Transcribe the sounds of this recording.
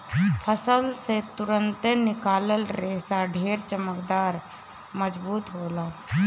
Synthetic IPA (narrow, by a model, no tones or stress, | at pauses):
pʰəsəlset̪uɾənt̪enɪkaːləlɾesaɖʱeːɾt͡ʃəməkd̪aːɾ | məd͡ʒbuːt̪ɦoːla